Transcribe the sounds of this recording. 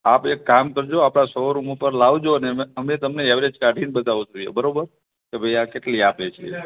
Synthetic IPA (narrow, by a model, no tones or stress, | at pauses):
apekːamkəɾd͡ʒoapɽasoɾumopəɾlaʋd͡ʒoəneəmet̪əmneɛʋɾed͡ʒkaɖʱinbət̪aʋõd͡ʒoḛbəɾobəɾ | kebʱəjakeʈliapet͡ʃʰḛ